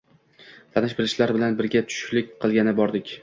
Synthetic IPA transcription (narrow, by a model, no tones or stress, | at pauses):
t̪ʰanɪʃbɪɾɪʃlaɾbɪlanbɪɾɡʲat̪ʰʊ̥ʃlɪkʲqʰɨlˠɡʲanɪbɒɾd̪ɪkʲ